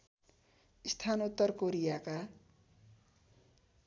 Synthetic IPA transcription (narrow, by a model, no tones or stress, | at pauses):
ist̪ʰanut̪ːʌrkoɾijaka